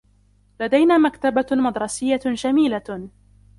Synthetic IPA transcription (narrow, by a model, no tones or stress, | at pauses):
lad̪ajnaːmakt̪abamɑd̪ɾˤɑsɪjːad͡ʒamiːla